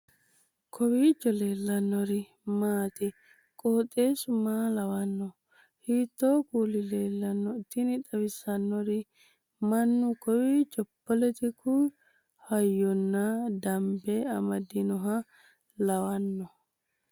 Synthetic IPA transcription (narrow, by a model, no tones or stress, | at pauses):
kʰɔwiːd͡ʒɔle̞ːlːɐnːɔɾɪ | maːt̪ɪ | kʼoːt̪ʼːeːsʊmaːlɐwɐnːɔ | hiːt̪ːoːkuːlɪleːlːɐnːɔɪt̪ːɪnɪt̪ʼɐwɪsɐnːɔɾɪ | mɐnːʊkɔwiːd͡ʒɔpːɔlɛt̪ɪkʊ | hɐjːɔnːɐd̪ɐmbɛɐmɐd̪ɪnɔɦɐ | lɐwɐnːɔ